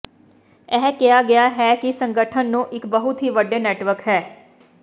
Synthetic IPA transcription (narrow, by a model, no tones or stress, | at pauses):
ɛːkɪjaːɡɪaːɦɛːkɪsəŋɡəʈʰənːũːʔɪkbəɦʊt̪ɦiːʋəɖeːnɛːʈʋəɾkɦɛː